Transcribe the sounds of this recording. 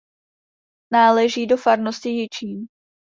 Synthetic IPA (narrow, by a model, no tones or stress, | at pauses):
naːlɛʒiːdo̞faɾnoscɪjɪt͡ʃiːm